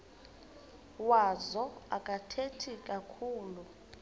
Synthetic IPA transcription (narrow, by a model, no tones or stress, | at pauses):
wazɔakʼatʰetʰikʼakʰuːlu